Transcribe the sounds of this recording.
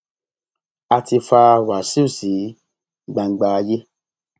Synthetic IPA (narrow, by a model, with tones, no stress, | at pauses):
a˧ti˧fa˧wa˨si˦u˦˨si˨˦ | ɡ͡ba˧ŋ͡m̩˦ɡ͡ba˧je˦